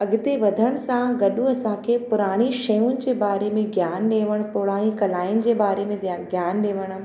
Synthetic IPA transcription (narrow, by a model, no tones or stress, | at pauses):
ɐɡɪt̪eʋɐd̪ʱəɽ̃ʊ̆sãɡɐɗũɐsãkʰepʊɾaːɽ̃iʃɐjʊnɪ̆d͡ʑeːbaːɾemẽɡʱjaːnɗeːʋəɽ̃pʊɽaːɽĩkɐlaːɪʊnɪ̆d͡ʑeːbaːɾemẽɡʱjaːnɗeːʋəɽ̃